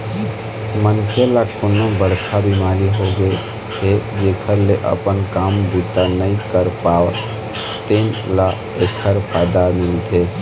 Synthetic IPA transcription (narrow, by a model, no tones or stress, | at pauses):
mənkʰelakonːobəɽkʰabimaɾiɦoɡe | ɦed͡ʒekʰəɾleʔə̰pənkambʱit̪ənəikəɾpawə | t̪ənla | ekʰəɾpʰajd̪amilt̪ʰe